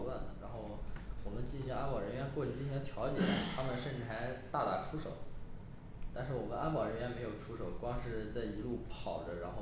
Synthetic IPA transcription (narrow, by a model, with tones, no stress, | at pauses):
lwa˥˩nd̪ə˩ɻa˧˥nxo˥˩ʊwɔ˨˩mə˦nt͡ɕi˥˩˧ɕjna˥pɑ˨˩ɻə˧˥nɥɛ˧˥nxwɔ˥˩t͡ɕʰy˨˩t͡ɕi˥˩ɕjɛ˥nt̪ʰjɑ˧˥ʊt͡ɕjɛ˨˩t̪ʰa˥mə˨nʂə˥˧nʈ͡ʂɻ̩˥˩xa˧˥ɪt̪a˥˩t̪a̰˥ʈ͡ʂʰu˥ʂo̰˨˩˦ʊ | t̪a˥˧nʂɻ̩˥˩wɔ˨˩mə˦na˥pɑ˨˩ɻə˧˥nɥɛ˧˥nme˧˥ɪjo˨˩ʊʈ͡ʂʰu˥ʂo˨˩˦ʊkwɑ˥ŋʂɻ̩˥˧t͡sa˥˩ɪi˧˥lu˥˩pʰɑ˨˩ʊʈ͡ʂə˦ɻa˧˥nxo˥˩